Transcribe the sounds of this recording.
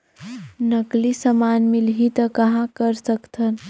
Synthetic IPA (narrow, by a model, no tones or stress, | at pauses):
nəklisəmanmilɦit̪əkəɦãkəɾsəkt̪ʰən